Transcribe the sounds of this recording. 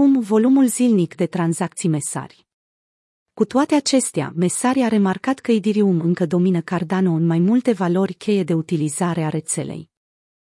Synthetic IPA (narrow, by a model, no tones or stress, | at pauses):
umvo̞lumulzilnikd̪e̞t̪ɾanzak̚t̪sijme̞sa̰rʲ | kut̪oat̪e̞at͡ʃe̞st̪ea̰me̞saɾʲiaɾe̞markat̪kəid̪iɾiumɨŋkəd̪o̞minəkard̪ano̞ɨnmajmult̪e̞valo̞rʲkʰʲe̞je̞d̪e̞ut̪ilizaɾe̞aɾe̞t̪se̞̰le̞̰j